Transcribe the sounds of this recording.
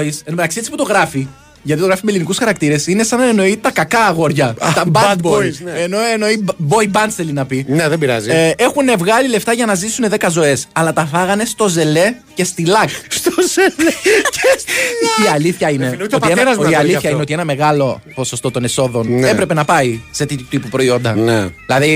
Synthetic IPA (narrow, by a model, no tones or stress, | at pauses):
isenomet̪ɐksiisi̥put̪o̞ɣɾɐfi | ʝɐt̪it̪oɾɐfimelinikusxɐɾɐkt̪iɾe̞sine̞sɐnɐeno̞it̪ɐkɐkɐɣo̞ɾʝɐt̪ɐb̪boseno̞eno̞ibo̞ibɐnsθelinɐpineðebiɾɐ̰zie̞xune̞vɣɐlile̞ft̪ɐʝɐnɐzisuneðe̞kɐzo̞e̞sɐlɐt̪ɐfɐɣɐne̞st̪o̞ze̞le̞ | cest̪ilɐkst̪ozelecʰeiɐliθçɐine̞nt̪opeɾɐziɐliθçɐieot̪ie̞nɐme̞ɣɐlo̞po̞so̞st̪o̞t̪o̞ne̞so̞ðo̞nnepɾe̞pe̞nɐpɐiset̪it̪ut̪ipupɾo̞io̞nd̪ɐneilɐði